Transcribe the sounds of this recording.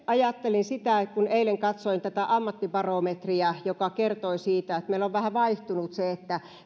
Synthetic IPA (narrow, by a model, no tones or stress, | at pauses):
ɑjɑt̪ːelinsit̪æˑkuneileŋkɑt̪soint̪æt̪æʔɑmːɑt̪ːipɑromet̪riæjokɑkert̪oisiːt̪æet̪meˑilːoʋʋæhæʋɑiht̪unut̪seet̪ːæ